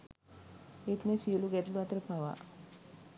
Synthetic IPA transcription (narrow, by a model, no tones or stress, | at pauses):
et̪mesiəluɡɛʈluat̪əɾəpaʋa̰